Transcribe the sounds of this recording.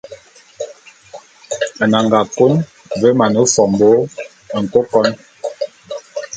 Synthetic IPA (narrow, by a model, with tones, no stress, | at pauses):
a˨na˨ŋɡa˨ko˦n | və˦ma˨nu˨˦fɔ˨m˨bo˨˦˨ | ŋ̩˨ko˦kɔ˦n